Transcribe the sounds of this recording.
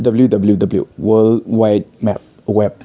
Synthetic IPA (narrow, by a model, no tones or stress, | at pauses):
dabəljudabəljudabəljṵwəlwajt̚mɛp̚ | wɛp̚